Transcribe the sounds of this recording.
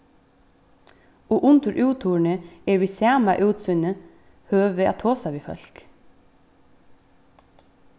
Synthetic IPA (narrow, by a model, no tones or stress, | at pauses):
oːʔʊnt̪əɾʔʉːt̪ʰuːɳəeːɹʋiːsæːmɑʔʉːt̪sʏnə | høːʋəɑ̰t̪ʰoːsaʋiːfœ̰lk